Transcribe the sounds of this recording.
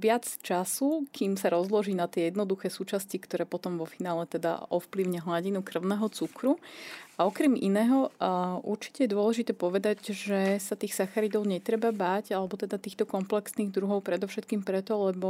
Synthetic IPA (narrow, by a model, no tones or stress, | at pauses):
ʋɪat͡st͡ʃasukiːmsaɾɔzlɔʒiːnat̪ɪɛjɛd̪nɔd̪uxɛːsuːt͡ʃascikt̪ɔɾɛːpɔt̪ɔmʋɔfinaːlɛt̪ɛd̪a̰ʔɔfpliʊɲɛɦlaɟinukr̩ʊnɛːɦɔt͡sukɾuaɔkɾɛmḭnɛːɦɔʔuɾt͡ʃi̥cɛjɛd̪ʊɔlɛʒit̪ɛːpɔʋɛd̪aɟʒɛsat̪iːxsaxaɾid̪ɔʊɲɛt̪ɾɛbabaːɟalɛbɔt̪ɛd̪at̪iːxt̪ɔkɔmplɛksniːɣd̪ɾuɦɔʊpɾɛd̪ɔʊʃɛt̪̚kiːmpɾɛt̪ɔlɛbɔ